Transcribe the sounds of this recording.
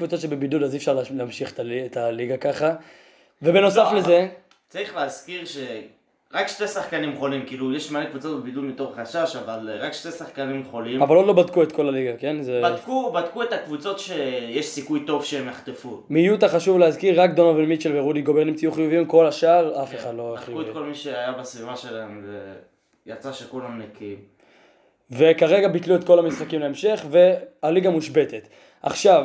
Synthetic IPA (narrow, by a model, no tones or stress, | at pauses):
kvut͡so̞t̪ʃebebidulazifʃaʁleleamʃiχe̥t̪aetaliɡakaχa | ve̞beno̞safleze̞ | t͡saʁiχleazkiʁʃe | ʁakʃtesaχkanimχo̞limkiːlujeʃmalekvut͡sotbebidulmit̪o̞χχaʃaʃavalʁakʃtesaχkanimχo̞limavald̪lo̞batkuet̪ko̞laliɡake̞nzebadkubadkuet̪akvut͡so̞tʃejeʃsikujt̪o̞vʃeemjaχt̪efumijut̪aχaʃuvleazkiʁːakd̪o̞novelmit͡ʃelveʁudiɡobeʁnimt͡sijuχijuviimko̞laʃaːʁafeχad̪lo̞χiukuet̪̚kolmiʃeajabasvivaʃelaemze | jat͡saʃekulamnekiim | ve̞kaʁe̞ɡabit̪luet̪ko̞lamisχakimleemʃe̞χve̞aliɡamuʃbe̞t̪et̪ | ʔa̰χʃav